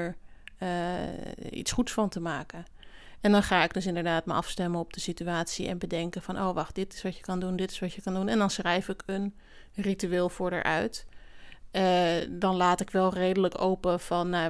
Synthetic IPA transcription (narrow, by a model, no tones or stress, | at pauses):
ɹ | ḭtsχutsfɑntəmaːkən | ɛndɑnχaːɪɡ̚dɵs̬ɪndəɹdaːtmə̰ʔɑ̰fstɛmənɔb̚dəsityaːtsiɛ̰nbədɛŋkənvɑnʔo̰wʋɑχt̚d̥ɪtɪ̥sʋɑtjəkɑndundɪtɪ̥sʋɑtjəkɑndunɛndɑnsχrɛjfɪkən | rityʋɪːlˠfʊːɹdə̰ɹʔœ̰ɥt | dɑnlaːtɪkʋɛlˠrejdələko̰wpəvɑnːa